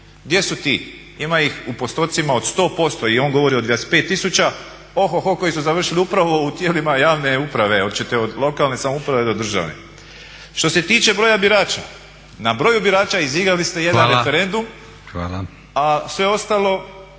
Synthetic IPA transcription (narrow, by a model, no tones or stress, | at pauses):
ɡd̪je̞sut̪iː | imaixupo̞st̪o̞t̪simao̞d̪st̪o̞ːpo̞st̪o̞io̞ŋɡo̞ʋo̞ɾio̞d̪ʋjaspe̞ːt̪ːisut͡ʃa | oxoxoko̞jisuzaʋr̩ʃiliupɾaʋo̞ut̪jeːlimajaːʋne̞upɾaʋe̞o̞d̪̚t͡ʃet̪eod̪lˠo̞kalne̞samoupɾaʋe̞d̪o̞d̪r̩ʒa̰ʋnḛ | ʃt̪o̞se̞t̪iːt͡ʃe̞bɾo̞jabiɾaːt͡ʃa | nabɾo̞ːjubiɾaːt͡ʃaiziɡɾalist̪e̞jed̪anɾefeɾe̞nd̪um | ala | asʋe̞o̞st̪alˠo̞